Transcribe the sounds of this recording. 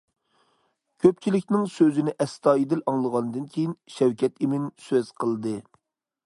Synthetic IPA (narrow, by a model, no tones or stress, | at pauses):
kʲʰøp̚t͡ʃʰilɪkʲnɪŋsøzɪnɪʔɛst̪ɑːjid̪ɪlɑŋlˠəʁɑnɨd̪ɨnkʲʰejinʃæwkʲʰɛt̪imɪnsøz̥qʰəlˠd̪ɨ